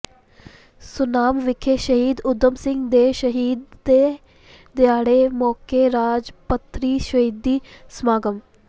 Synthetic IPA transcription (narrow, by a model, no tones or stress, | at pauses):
sʊnaːmʋɪkʰeːʃəɦiːd̪ʊd̪ːəmsɪ̃ŋɡd̪eːʃəɦiːd̪ːeː | d̪ɪaːɽeːmɔːkeːɾaːd͡ʒpət̪ʰːɾiːʃəɦiːd̪ːiːsəmaːɡəm